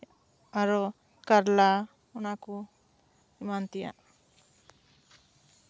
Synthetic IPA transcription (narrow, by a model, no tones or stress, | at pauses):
aɾɔ | kaɾla | unaku | imant̪ija̰